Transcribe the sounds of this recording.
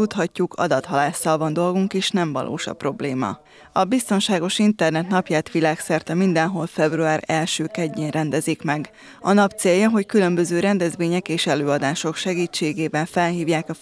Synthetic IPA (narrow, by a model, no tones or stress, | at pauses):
ut̪hɒcːukʰɒ̰d̪ɒt̪hɒlaːsːɒlvɒnd̪o̞lɡuŋkeːʃnɛɱvɒ̰lʔo̰ːʃɒ̰pro̞blḛːmɒ̰ | ɒbist̪o̞nʃaːɡo̞ʃint̪ɛrnɛt̪nɒpjaːt̪ʋilaːksɛrt̪ɛmind̪ɛnɦo̞lfɛbruaːɾɛlʃøːkɛɟːeːnrɛnd̪ɛzikmɛɡ | ɒnɒp̚t̪seːjːɒɦo̞ckylø̞mbø̞zøːɾɛnd̪ɛzʋeːɲɛkeːʃɛløːɒd̪aːʃo̞kʃɛɡiːt͡ʃːeːɡeːbɛɱfɛlɦiːvjaːkɒ